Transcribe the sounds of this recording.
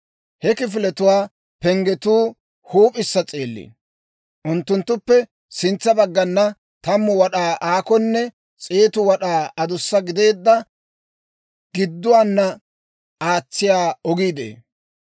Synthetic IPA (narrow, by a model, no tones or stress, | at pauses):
hɛkɪf̬ɪlɛt̪ʊwaː | pɛŋɡɛt̪uː | huːpʼɪsːɐt͡sʼeːlːḭː | ʔʊnt̪ːʊnt̪ːʊpːɛ | sɪnt͡sːɐbɐɡːɐnːɐ | t̪ɐmːʊwɐɗaːʔaːkɔnːɛ | t͡sʼeːt̪ʊwɐɗaːɐd̪ʊsːɐɡɪd̪e̞ːd̪ːɐ | ɡ̥ɪd̪ːʊwaːnːɐ | aːt͡sːɪjaːɔɡiːd̪ḛː